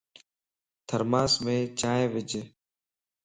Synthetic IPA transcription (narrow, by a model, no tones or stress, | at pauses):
t̪ʰəɾmaːsmẽːt͡ʃaːẽːʋɪd͡ʒeː